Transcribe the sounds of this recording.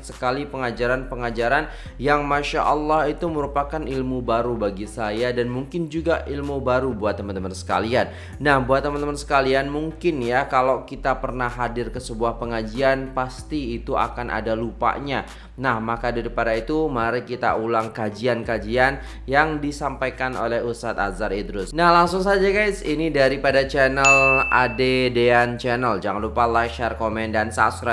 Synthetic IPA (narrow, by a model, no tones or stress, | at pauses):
səkalipəŋad͡ʒaɾanpəŋad͡ʒaɾan | jaŋmaʃa̰ʔɑlːɑɦit̪uməɾupakanʔilmubaɾubaɡisajadanmuŋkɪnd͡ʒuɡaʔilmubaɾubuat̪̚ːəmant̪əmansə̥ka̰lianː | ahbuat̪ːəmant̪əmansə̥kalianmuŋkɪnjakalakit̪apərnahadɪrkəsəbuahpəŋad͡ʒianpast̪iːt̪ua̰kanʔa̰dalupa̰ʔɲa | nahmakadiɾipaɾait̪umaɾikit̪a̰ulaŋkad͡ʒiankad͡ʒian | jaŋdisampajkano̰lɛhust̪at̪a̰zaɾid̪ɾʊsnahlaŋsʊŋsad͡ʒakaisinidaɾipadat͡ʃɛnəladedeant͡ʃɛnəld͡ʒaŋanlupalaʃarkomɛndansaːt̪sɾa